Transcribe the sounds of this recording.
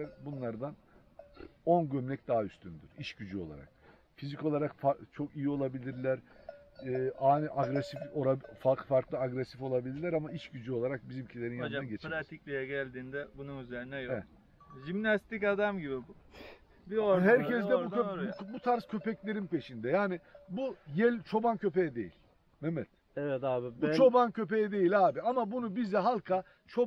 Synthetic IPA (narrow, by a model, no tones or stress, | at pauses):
ɛɾbunlˠaɾd̪an | o̞nɟømlʲɛc̚d̪aɦayst̪ʰynd̪yɾ̥iʃɟyd͡ʒyo̞lˠa̰ɾa̰k̚ | fizico̞lˠaɾakfat͡ʃʰo̞kijio̞lˠabilʲiɾlʲæɾː | aːniʔaɡɾɛsifoɾafakfaɾklˠɯaɡɾɛsifo̞lˠabilʲiɾlʲæɾamaiʃɟyd͡ʒyo̞lˠaɾak̚bizimcʰilʲe̞ɾinjanaɟet͡ʃʰpɾaiclʲejɛɟælʲd̪iːnd̪ɛbununyzeɾinɛjo | ʒimnast̪icad̪amɟibibu | biohæɾcʰɛzd̪ɛbuøubut̪ʰaɾscʰø̞pɛclʲe̞ɾinpe̞ʃind̪ɛjaːnibujɛlʲt͡ʃʰo̞bancʰø̞pejɛd̪ejḭlʲ | mɛmɛt̪ | ɛvɛt̪aːbut͡ʃʰo̞bancʰø̞pejɛd̪e̞jilʲaːbiamabunubizɛɦalˠkʰa | t͡ʃʰo